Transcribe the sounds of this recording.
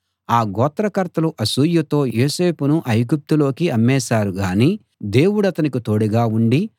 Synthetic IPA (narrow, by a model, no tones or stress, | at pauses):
aːɡɔːt̪ɾɐkɐɾt̪ɐluʔɐsuːjut̪o̞ːjoːse̞ːpunuʔɐjɡup̚t̪ulo̞ːkiɐmːɛːsaːɾuɡaːniː | d̪e̞ːwuɽɐt̪ɐnikit̪o̞ːɽiɡaːuɳɖi